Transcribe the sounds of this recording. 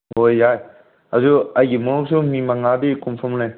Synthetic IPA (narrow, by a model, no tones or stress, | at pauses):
ɦojːaj | azuajɡimɔnuk̚sumimaŋadikɔmpʰɔmlaj